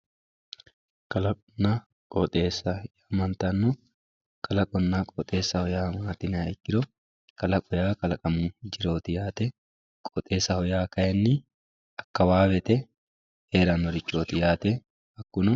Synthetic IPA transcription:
kɐlɐkʼʊnːa | kʼɔt̪ʼeːsːɐjamɐnt̪ɐnːʊ | kʼɐlɐkʼɔnːakʼɔt̪ʼe̞ːsːɐhɔjaːmaːt̪ɪnɐkːɪɾɔ | kɐlɐkʼɔjaːkʼɐlɐkʼɐmud͡ʒɪɾo̞ːt̪ɪjaːt̪ɛ | kʼɔːt̪ʼe̞ːsːɐhɔjaːkɐjɛnːɪ | ɐkːɐwaːwɛt̪ɛ | heːɾɐnɔɾɪt͡ʃːoːt̪ɪjaːt̪ɛ | ɐkːʊnʊ

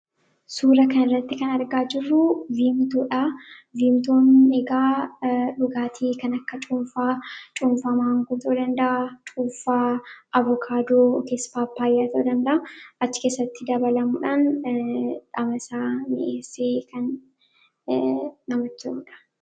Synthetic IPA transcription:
suːɾɐkɐnɪrːɐt̪ːɪkɐnɐɾɡaːd͡ʒɪrːʊviːmt̪uːᶑaːviːmt̪oːneɡaːᶑʊɡaːt̪ʰiːkɐnɐkːɐt͡ʃʼuːmfaːt͡ʃʼuːmfaːmaːŋɡʊt̪ɐd̪ɐnd̪ɐʔat͡ʃʼuːfaːʔɐvɔkʰaːd̪oːkespaːpːaːjːaːt̪ɐd̪ɐnd̪ɐʔɐʔɐt͡ʃːɪ̥ke̞ːsːɐt̪ːɪd̪ɐbɐlɐmuᶑan | ᶑɐmɐsaːmɪ̰ʔeːsːeːkɐn | ɐmɐt͡ʃːɐuᶑɐ̥

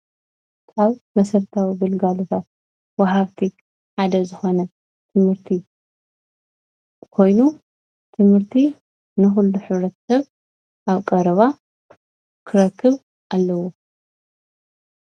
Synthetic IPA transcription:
aβmɐsɐɾt̪ʰawiɡɨlɡalot̪ʰat̪̚ | waɦaβt̪ʰi | ħad̪ɐzɨxo̞nɐ | t̪ʰɨmhɨɾt̪ʰi | kʰo̞jnu | t̪ʰɨmhɨɾt̪ʰi | nɨxulːuħɨβɾɐt̪ʰɐ̥sɐβ | ʔaβkʼɐɾɐβa | kʰɨɾɐkʰːɨβ | ʔalːɐwo

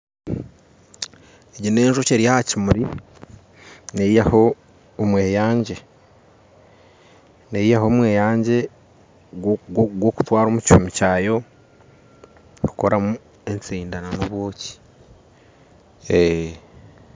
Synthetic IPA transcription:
eɟine̞ːnʒoceɾijahacimuɾi | neijaho̞ː | mwe̞ːjaːɲɟe̞ | neijaɦo̞ːmwe̞ːjaːɲɟe̞ | ɡɡwoku̥twaːɾomucṵmicaːjo̞ | ukoɾamu | e̞nt͡siːndananoβwo̞ːci̥ | e

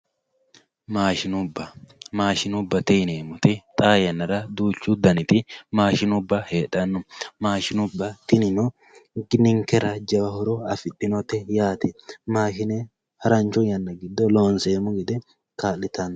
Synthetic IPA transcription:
maːʃɪnʊbːɐmaːʃɪnʊbːɐt̪ɪneːmʊt̪ɪt̪ʼaːjɐnːɐɾɐd̪uːt͡ʃːʊd̪ɐnɪt̪ɪmaːʃɪnʊbːɐheːᶑɐnːʊmaːʃɪnʊbːɐt̪ɪnɪnɔ | ɡɪnɪŋkɛɾɐd͡ʒɐwɐhɔɾɔɐfɪt̪ːɪnɔt̪ɛjaːt̪ɪmaːʃɪne | hɐɾɐnt͡ʃʊjɐnːɐɡɪd̪ːɔloːnseːmːʊɡɪd̪ɛ | kaːlɪt̪ɐn

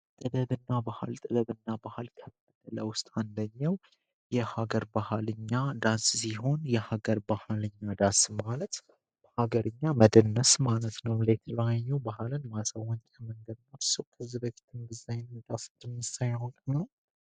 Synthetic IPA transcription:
t̪ʼɨd̪əβɨnːabaha̰lt̪ʼɨd̪ədɨnːabahalkʰəb | d̪ələwʊst̪ʼand̪əɲːəw | jɛhaɡəɾbahalɨɲːad̪anssiɦo̞njɛhaɡəɾbahalɨɲːad̪ansmalət̪ | b̥əhaɡəɾɨɲːaməd̪ənːəsmalət̪nəwlet̪ʰlaɲːɛwbahlɨnmasawəɲt͡ʃʼaməŋɡəd̪noɾsəwkʰəzːibəfi̥t̪ʰɨnɡɨzajnmd̪ʼasɨt̪ɨmɨsajahonkʼɲːəw

